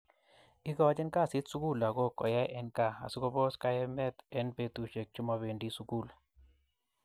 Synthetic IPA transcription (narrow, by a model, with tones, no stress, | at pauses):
ɪ˦kɔ˦d͡ʒɛ˦nka˦˨sɪ˦t̪su˦ku˦˨la˨ɡo˦kɔ̰˨ja˦ʔɛ˦nka˦˨a̰˨su˦kɔ˦bɔ˦ska˦ɛ˦mɛ˦t̪ɛ˨˦npe˨˦t̪u˨ʃe˨k̚t͡ʃʊ˦ma˧be˨ndi˦su˦ku˦˨l